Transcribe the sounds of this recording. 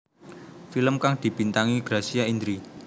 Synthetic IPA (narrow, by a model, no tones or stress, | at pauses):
filəmkaŋd̪̥i̤bint̪aŋiɡ̥ɾasiaind̪ɾi